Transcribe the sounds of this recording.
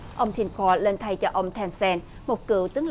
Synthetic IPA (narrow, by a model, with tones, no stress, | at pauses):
ʔə˧wŋ͡mt̪ʰi˧nkʰɔ˧le˧nt̪ʰa˧jt͡ɕɔ˧ʔə˧wŋ͡mt̪ʰɛ˧nsɛ˧n | mo˨˩t̚kɨ̰˧˨əwt̪ɨ˨˦əŋl